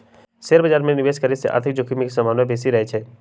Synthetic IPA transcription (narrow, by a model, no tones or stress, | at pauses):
seːɾbɐd͡ʒaːɾmẽnɪʋeːskəɾiseʔa̰ːɾt̪ʰɪk̚d͡ʒʊkimikisɐmaːnʋebeːsiɾɐɦet͡ʃʰɛː